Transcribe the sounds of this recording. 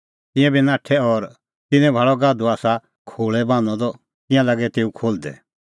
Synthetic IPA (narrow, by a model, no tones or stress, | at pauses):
t̪ɪ̃jãbinãːʈʰɛɔɾ | t̪ɪnɛ̃bʱaɭɔɡaːd̪uaːsa | kʰoːɭɛbãːnɔ̃d̪ɔ | t̪ɪ̃jãlaːɡɛt̪eːukʰoːld̪ɛ̰